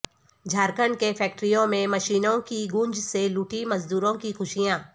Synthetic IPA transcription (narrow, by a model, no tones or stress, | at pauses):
d͡ʒʱaːɾkəɳɖkefʰɛːk̚ʈɾijõmẽmɐʃiːnõkiɡʊ̃ɲd͡ʒseluːʈimɐzd̪uːɾõkixʊʃijãː